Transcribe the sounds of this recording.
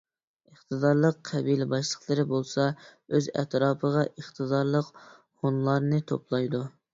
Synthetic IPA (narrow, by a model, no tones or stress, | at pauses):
əχt̪ɨd̪ɑɾlˠəqʰːɛbilɪbɑʃlˠəχlˠɨɾɪbolˠsɑøzɛ̰t̪ɾɑːpʰəʁɑʔəχt̪ʰɨd̪ɑɾlˠəq | honlˠɑɾnɨt̪ʰo̰plˠɑjd̪u